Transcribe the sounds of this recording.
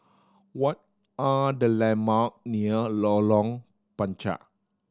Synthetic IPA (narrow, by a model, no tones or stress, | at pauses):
wɔt̚ | adəlɛ̃mak̚niəlɔlɔ̃ŋ | pãnt͡ʃa̰ʔ